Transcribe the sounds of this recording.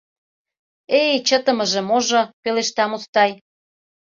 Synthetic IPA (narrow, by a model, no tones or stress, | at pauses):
ejt͡ɕət̪ə̆mə̆ʒĕmoʒŏpeleʃt̪ɑmust̪ɑj